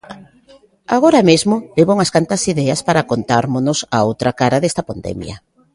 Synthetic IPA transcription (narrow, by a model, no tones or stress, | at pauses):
aɣoɾamezmʊleβouŋɐskant̪ɐsiðɛɐspaɾakont̪aɾmonʊsaowt̪ɾɐkaɾɐðest̪ɐpand̪ɛ̰mj̰ɐ̰